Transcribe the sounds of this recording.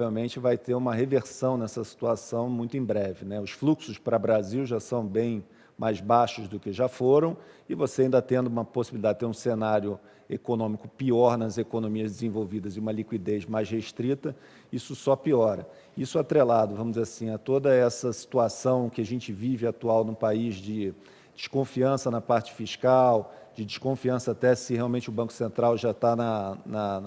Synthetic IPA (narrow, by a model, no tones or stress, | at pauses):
vewmẽnt͡ʃɪvajt̪eɾũmɐɦeveɾsɐ̃w̃nɛsɐsi̥t̪uasɐ̃w̃mũj̃t̪ʊẽj̃bɾɛvɪnɛʊsfluksʊspɾɐbɾaziwʒasɐ̃w̃bẽj̃ | majzbaʃʊzd̪ʊkɪʒafoɾɐ̃w̃ɪvoseaĩnd̪ɐt̪ẽnd̪ʊũmɐposi̥bilid̪ad͡ʒɪt̪eɾũsenaɾjʊ | ekonõmikʊpiɔɾnɐzekonõmiɐzd͡ʒɪzẽvowvid̪ɐzɪũmɐlikwid̪ezmajzheʃt̪ɾit̪ɐ | isʊsɔpiɔɾɐ | isʊat̪ɾelad̪ʊvɐ̃mʊd͡ʒzeɾasĩat̪od̪ɐɛsɐsi̥t̪uasɐ̃w̃kɪaʒẽnt͡ʃɪvivɪat̪uawnʊ̃paizd͡ʒɪ | d͡ʒɪʃkõfiɐ̃sɐnɐpaɾt͡ʃɪ̥fiʃkawd͡ʒɪd͡ʒiʃkõfiɐ̃sɐːt̪ɛsɪheawmẽnt͡ʃɪʊbɐ̃kʊ̥sẽnt̪ɾawʒat̪anɐnɐ